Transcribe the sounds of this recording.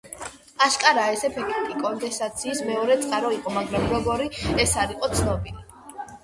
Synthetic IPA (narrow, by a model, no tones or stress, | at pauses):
aʃkʼaɾaɛsɛpʰɛkʰt̪ʼikʼɔnd̪ɛsat̪sʰiːsmɛɔɾɛt̪sʼqʼaɾɔiqʼɔmaɡɾamɾɔɡɔɾiɛsaɾiqʼɔt̪sʰnɔbili